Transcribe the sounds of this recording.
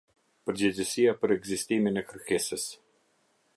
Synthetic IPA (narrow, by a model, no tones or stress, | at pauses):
pəɾd͡ʑɛd͡ʑəsiapəɾɛɡzist̪iminɛkəɾkɛsəs